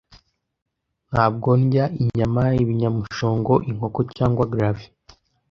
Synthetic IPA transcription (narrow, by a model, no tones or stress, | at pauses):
n̥haːb̚ɡo̞nɟaiɲamaiβiɲamuʃo̞ːŋɡo̞ʔiŋ̥o̞kocaːŋɡwaɡɾafi̥